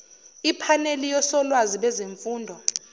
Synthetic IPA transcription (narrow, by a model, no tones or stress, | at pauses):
ipʰanelijɔsɔlwaziɓɛzeɱfuːndʱɔ